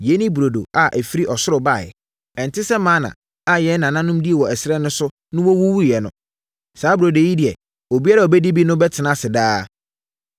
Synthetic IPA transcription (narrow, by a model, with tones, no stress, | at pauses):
je˨˦nĩ˦bu˨ɾo˨do̰˨a˨ʔæ˨fi˦ɾi˦ʔɔ˨sʊ˦ɾʊ˨ba˦˨ɛ̰˨ | ɛ̃˨n˨tʰɪ˦sɛ˦mãː˨˦nã̰˨ | a˦jɛ˨˦nã˨nã˦nʊ̃˦mdi˦ɛ˨wɔ˨æ˨sɛ˦nʊ̃˦sʊ˦ | nʊ̃˦wɔ˦wu˦wu˦˨jɛ˨nʊ̃˨˦ | saː˨˦bu˨ɾo˨do˨ji˦dɪ˨ɛ˨ | o˨bi˦a˦ɾa˨o˨bɛ˦di˦bi˦nʊ̃˦bɛ˦tʰɪ˨nã˦˨sɪ˨daː˦